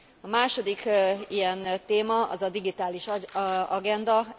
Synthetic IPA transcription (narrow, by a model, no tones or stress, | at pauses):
ɒmaːʃo̞d̪ikijɛnt̪eːmɒɒ̰zɒd̪iɡit̪aːliʃɒɡɛnd̪ɒ